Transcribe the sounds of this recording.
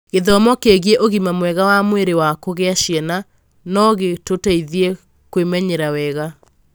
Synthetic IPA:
ɣeðɔmɔkeɣiɛʔoɣimamwɛɣawamweɾewakoɣeaʃiɛna | nɔɣetotaiðie | kwemɛɲeɾawɛɣa

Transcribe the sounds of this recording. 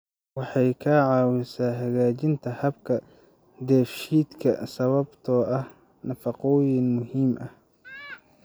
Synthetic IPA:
wɑħɑjkʰɐʕɑːwɪsaːɦɐɣaːt͡ʃɪnt̪ʰɐhɐbkʰɐ | d̪ɛːfʃiːd̪kʰɐ̰sɐβɐbt̪ʰɔːʔɐh | nɐfɑqɔːjɪnmʊhiːmʔɐh

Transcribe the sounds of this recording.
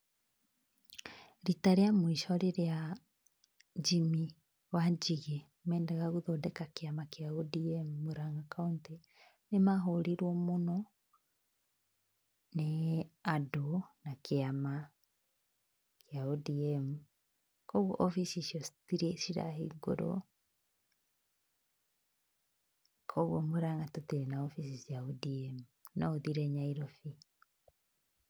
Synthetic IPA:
ɾitaɾeamwiʃɔɾeɾea | d͡ʒimi | wad͡ʒiɣe | mɛːndaɣaɣoðɔdɛkakeamakeaodiɛmuːoɾaŋɡakaunti | nemaɦoɾiɾwɔmonɔ | neadonakeama | kjaudiɛmu | kɔɣɔ̰ʔɔfisisjɔsi̥tiɾɛsiɾa̰ɦeiɡo̰ɾɔ̰ | kʰɔɣɔmoɾaŋɡatotiɾenaɔfisisjaudiɛmu | nɔoðiɾɛɲaiɾofi

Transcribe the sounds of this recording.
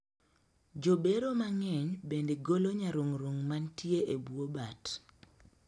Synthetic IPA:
d͡ʒobeɾomaŋɛɲbendeɡoloɲaɾoŋɾoŋmantjeʔebwobat

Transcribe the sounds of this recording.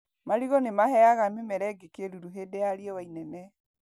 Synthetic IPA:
maɾiɣɔnemaɦɛaɣamemɛɾɛɡekeɾuɾuɦedɛaɾiɛwainɛnɛ

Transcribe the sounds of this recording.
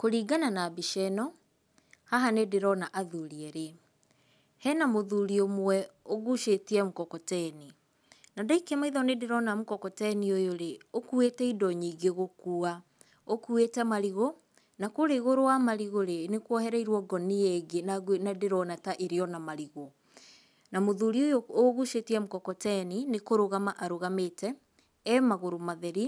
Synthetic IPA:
koɾiːɡananabiʃɛnɔ | haɦanedeɾɔnaʔaðuɾiɛɾe | hɛnamoðuɾiomwwɛoɣuʃetiɛmukɔkɔtɛni | nadaikɛmaiðɔnedeɾɔnamokɔkɔtɛniojoɾeokuetɛidɔɲiːɡeɣokua | okuetɛmaɾiɣo | nakoɾeɣoɾowamaɾiɣoɾenekwɔhɛɾaiɾwɔɡɔniɛɡenanadeɾɔnataʔeɾeɔnamaɾiɣo | namoðuɾiojooɣuʃetiɛmukɔkɔtɛninekoɾoɣamaʔaɾoɣametɛ | ɛmaɣoɾomaðɛɾi

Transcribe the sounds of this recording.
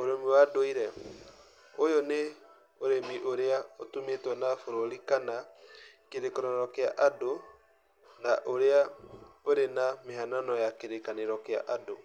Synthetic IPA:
oɾemiwadoiɾɛ | ojɔne | oɾemiʔoɾeaotumetwɛnafoɾoɾikanakeɾekanaɾɔkeaʔado | naʔoɾeaoɾenameɦananɔjakeɾekaneɾɔkea̰ʔado

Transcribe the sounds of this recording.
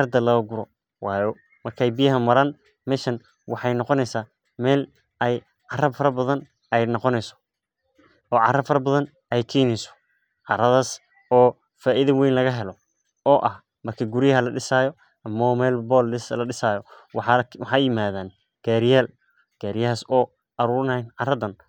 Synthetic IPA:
rd̪ɐlɐɡʊɾɔ | wɑːjɔ | mɐrkʰɛjbijɐɦɐmɐɾaːn | mɛːʃɐn | wʔɑħɑjnɔqɔnɛjsaː | mɛːl | ɛj | ʕɑrɐbfɐɾɐbɐðɐn | ɛjnɔqɔnɛjsɔ̥ | ɔːʕɑ̰rɐbfɐɾɐbɐðɐn | ɛjkʰɛːjnɛjsɔ̥ | ʕɑɾɐðaːs | ɔː | faːʔiðɐwɛjnlɐɣɐɦɛlɔ | ɔːʔɐh | mɐrkʰɐɡuɾɪjɐɦɐlɐɖɪsaːjɔ | ɐmɔmɛːlbɔːlɪslɐɗɪsaːjɔ | wwɑħɑːjɪmaːðaːn | ɡ̥aːɾɪjaːl | ɡ̥aːɾɪjɐɦaːsɔː | ʔɐɾuːɾnjnʕɑrɐðɐn

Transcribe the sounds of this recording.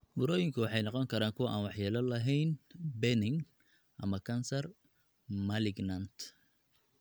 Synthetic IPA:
bʊɾɔːjɪŋkʰʊwɑħɑjnɑqɔŋkʰɐɾaːŋkʰʊwɐʔaːnwɑħjaːlɐlɐɦɛjnbɛnɪŋ | ʔɐmɐkʰɐnsɐr | mɐlɪɡnɐnt̪

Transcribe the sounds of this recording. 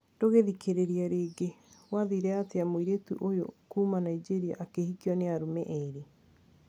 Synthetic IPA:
d̥oɣeðikʰeɾeɾiaɾeːɡe | waðiɾɛateamwiɾetṵʔojo̰kuːmanaid͡ʒeɾia̰ʔakehikjɔneaɾumɛʔɛɾe

